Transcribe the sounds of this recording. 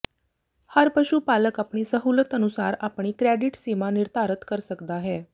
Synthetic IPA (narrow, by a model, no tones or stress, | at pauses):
haɾpəɕuːpaləkapɳ̃iːsəɦulət̪ənusaɾapɳ̃iːkɾeɖiʈsimaniɾt̪ʰaɾət̪kəɾsəkd̪aɦɛ